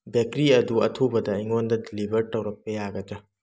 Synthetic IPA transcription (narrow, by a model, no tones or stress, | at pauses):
bekɾiɐduɐtʰubɐdɐiŋondɐdilibʱɐɾtɐwɾɐk̚pɐjaɡɐd͡ʒɐ